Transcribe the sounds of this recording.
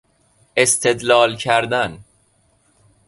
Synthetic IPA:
e̞st̪ʰe̞d̪lɒːlcʰæɾd̪æn

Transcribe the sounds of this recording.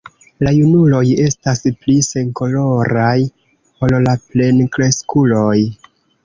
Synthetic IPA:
lajunulo̞je̞stasplise̞ŋko̞lo̞ɾaj | o̞llaple̞nkɾe̞skulo̞j

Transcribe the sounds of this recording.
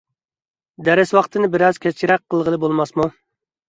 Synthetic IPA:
d̪ɛɾɪswɑqt̪ʰɨnɪbɪɾɑzkʲʰɛt͡ʃʰiɾɛq̚ʰːəlˠʁəlˠɨbolˠmɑsmu

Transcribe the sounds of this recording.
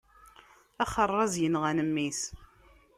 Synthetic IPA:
æχərˤːɑzjənʁænəmːis

